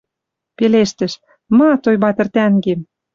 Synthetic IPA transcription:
peleʃt̪ɘ̆ʃ | mɑt̪ojbɑt̪ə̆rt̪æŋɡem

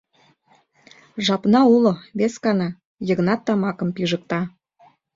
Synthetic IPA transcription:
ʒɑpnɑuloβeskɑnɑ | jəɣnɑt̪ːɑmɑkə̆mpiʒə̆k̚t̪ɑ

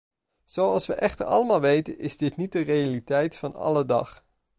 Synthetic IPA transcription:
z̥owɑlˠsʋəʔɛχtəɹɑ̰lˠəmaːlˠʋejtənɪzdɪtnit̚dərejalitɛjtfɑnɑ̰lədɑ̰χ

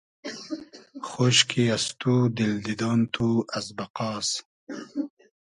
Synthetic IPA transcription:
xoɕkʰiast̪ud̪ild̪id̪ɑːnt̪ʰuɐsbɐqɑːs

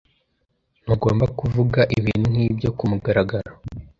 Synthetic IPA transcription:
n̥uɡo̞ːmbakuvuɡaʔiβiːn̥hun̥iːbɟo̞kumuɡaɾaɡaɾa

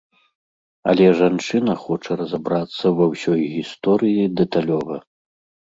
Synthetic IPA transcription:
ɐ̰lʲɛʐant͡ʂɨnɐxɔt͡ʂɐɾɐzabɾat̪sːɐvɐwsʲɔjɣʲist̪ɔɾɨjid̪ɛt̪alʲɔvɐ

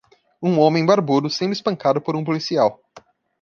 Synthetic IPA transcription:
ũõmẽj̃baɾbud̪ʊsẽd̪ʊɪispɐ̃kad̪ʊpoɾũpolisiaw

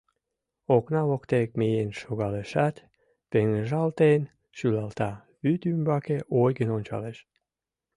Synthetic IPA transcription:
oknavokt̪ekmejenʃoɡaleʃat̪ʲ | peŋʒalt̪ejn | ʃylalt̪a | vyt̪ymbakeʔojɡenonʲt͡ʃa̰leʃ

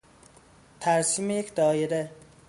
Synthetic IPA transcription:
t̪ʰæɾsiːmejecʰd̪ɒːjeɾe

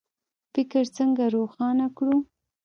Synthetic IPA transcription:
fɪkɪɾt͡səŋɡaɾoxɑnakɽu

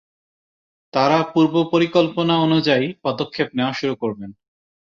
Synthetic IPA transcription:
t̪aɾapuɾbopoɾikolponaonud͡ʑajpɔd̪okʰːepneoaʃuɾukoɾben

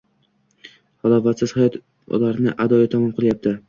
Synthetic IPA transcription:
hɒlˠɒfat̪sɪz̥hajɒt̪ | laɾnɪʔad̪ɒjɪt̪ʰamɒmqʰɨlˠjap̚t̪ʰɪ

